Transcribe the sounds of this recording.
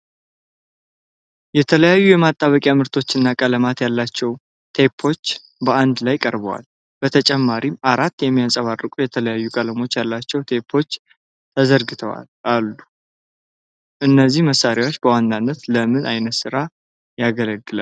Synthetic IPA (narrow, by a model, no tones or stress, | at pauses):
jɛt̪ʰələjajːujɛmat̪ʼːaβəkʼjamɨɾt̪ʰo̞t͡ʃːɨnːakʼələmat̪jalːat͡ʃːɛw | t̪ʰe̞pʰːo̞t͡ʃː | bəand̪lajkʼəɾbəwa̰l | b̥ət̪ʰət͡ʃʼɛmːaɾimaɾat̪ːjɛmːijasʼəβarːɨkʼujɛt̪ʰələjajːukʼələmo̞t͡ʃːjalːat͡ʃːɛwt̪ʰe̞pʰːo̞t͡ʃː | t̪ʰəzəɾɡɨt̪ʰəwa̰lalːu | ʔɨnːəzːihməsːaɾjawo̞t͡ʃːbəwand̪anːət̪ləmɨnʔajnət̪sɨɾa | jaɡələɡːɨlə̰l